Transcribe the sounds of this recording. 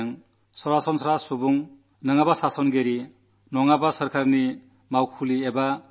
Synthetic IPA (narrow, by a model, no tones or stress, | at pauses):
ŋ | sɔɾasɔnsʰɔɾasubuŋ | nɯŋabasasɔnɡeɾi | nɔŋabasɔɾkʰaɾni | mawkʰulieba